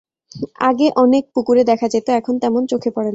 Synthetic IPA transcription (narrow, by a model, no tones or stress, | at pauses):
aɡeʔɔnek̚pukuɾed̪ɛkʰad͡ʑet̪oɛkʰont̪ɛmont͡ɕokʰepɔɽen